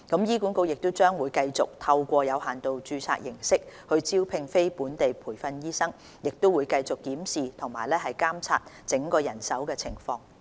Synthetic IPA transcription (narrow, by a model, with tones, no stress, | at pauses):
kɐ˨˧˥mjiː˥ku˨˥nko˧wjɪ˨k̚t̪ʊ˥wt͡ʃœː˥ŋwuː˨˧jkɐ˧jt͡sʊ˨k̚t̪ʰɐ˧wkʷɔː˧jɐ˨˧whaː˨nt̪o˨wt͡ʃyː˧t͡sʰa̰˧k̚jɪ˨˩ŋsɪ˥k̚hɵ˧ɥt͡siː˥wpʰɪ˧ŋfe˥jpuː˨˥nt̪e˨jpʰuː˨˩jfɐ˧njiː˥sɐ˥ŋ | jɪ˨k̚t̪o˥wuː˨˧jkɐ˧jt͡sʊ˨kːiː˨˥msiː˨t̪ʰʊ˨˩ŋmaː˨˩jlɛː˥ɦɐ˨jkaː˥mt͡sʰa̰ː˧t̚ | t͡sɪ˨˥ŋkɔː˧jɐ˨˩nsɐ˨˥wkɛː˧t͡sʰɪ˨˩ŋfɔː˧ŋ